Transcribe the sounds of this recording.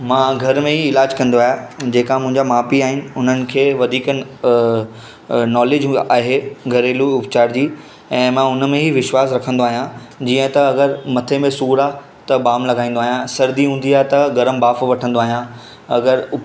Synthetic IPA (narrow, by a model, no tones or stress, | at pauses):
mãːɡʱɐɾmẽɦiɪlaːd͡ʑkɐ̃nd̪oaːɦjed͡ʑeːkamʊ̃ɦɪ̃ɲd͡ʑamaːpiaːɦɪnɪ̆ʊn̤ənɪ̆kʰeːʋɐd̪ʱiːkən | nɔːleːd͡ʑɦaːɦeɡʱɐɾeːluʊpt͡ɕaːɾd͡ʑiː | ɛ̃ːmãːʊnmẽɦiʋɪʃwaːs̬ɾɐkʰə̃nd̪oaːɦijã | d͡ʑiːə̃t̪ɐɐɡəɾmɐt̪ʰemẽsuːɾa | t̪ɐbaːmlɐɡaːĩːnd̪oaːɦjãsɐɾd̪iɦũːn̆d̪iaːɦet̪ɐɡɐɾəmbaːfʋɐʈʰə̃nd̪oaːɦijã | ɐɡəɾʊp